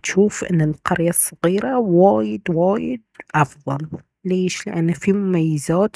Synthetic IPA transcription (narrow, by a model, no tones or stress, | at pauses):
t̪ʃuːfʔɪ̰nːɪlqɑɾjasˤːɑɣiːɾawaːjɪd̪waːjɪd̪̚ʔɑfðˤɑl | leːʃliʔanːafimʊmajːɪzaːt̪